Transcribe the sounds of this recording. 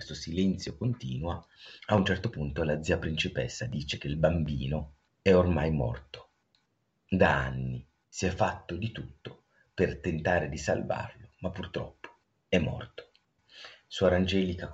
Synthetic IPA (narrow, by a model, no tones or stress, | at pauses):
est̪osilɛnt̪sjokont̪ḭːnwaaunt͡ʃɛrt̪opunt̪olad̪zːiːapɾint͡ʃipɛ̰sːad̪iːt͡ʃek̟eilbambiːno | ɛormajmɔ̰rt̪o̥ | d̪aanːi | siɛfːat̪ːod̪it̪ut̪ːo | pert̪ent̪aːɾed̪isa̰lva̰rlomapːurt̪ɾɔ̰pːo̥ | ɛmːɔ̰rt̪o̥ | suːaɾand͡ʒɛːlika